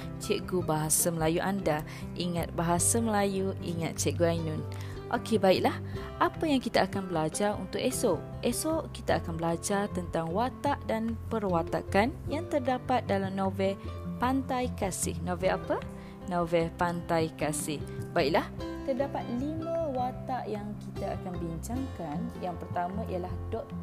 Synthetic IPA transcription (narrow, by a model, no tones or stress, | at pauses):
t͡ʃɛʔɡubaɦasaməlajuʔanda | ʔiŋat̪̚baɦasaməlajuḭŋat̪̚t͡ʃɛʔɡuajnũn | ʔokebaiʔlah | ʔapəjaŋkit̪aakanbəlad͡ʒarṵnt̪ʊkeso | ʔesokit̪aakanbəlad͡ʒart̪ənt̪aŋwat̪aʔdanpərwat̪a̰kanjaŋt̪ərdapat̪̚dalamnovɛlpant̪ajkasɪ̰hnovɛapə | novɛlpant̪ajkasɪhbaiʔlaht̪ərdapat̪̚limə̃wat̪aʔjaŋkit̪aa̰kanbiɲt͡ʃaŋkanjaŋpərt̪amãʔḭalahdɔʔ̚